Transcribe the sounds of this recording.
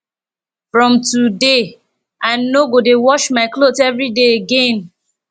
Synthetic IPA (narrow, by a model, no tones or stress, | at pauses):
fɹɔ̃mtude | aɪnoɡodewɔʃmaɪklotɛvɹideeɡẽn